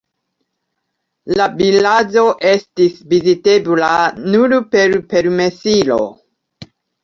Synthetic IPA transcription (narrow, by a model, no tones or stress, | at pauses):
labilad͡ʒo̞ʔe̞stisvizitebulanuɾpe̞ɾpe̞ɾme̞silo̞̰